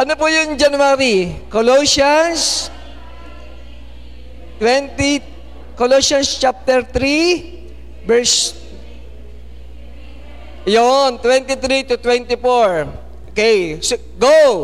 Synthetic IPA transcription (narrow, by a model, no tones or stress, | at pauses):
ʔɐnopʊjʊŋd͡ʒɐnʊwaɾikolosans | t̪wɛnt̪i | kolosɐnst͡ʃap̚t̪ɛɾt̪ɾi | bɛɹs | jont̪wɛnt̪it̪ɾit̪ʊt̪wɛ̃nt̪ifoɹ | ʔokɛjs | ɡo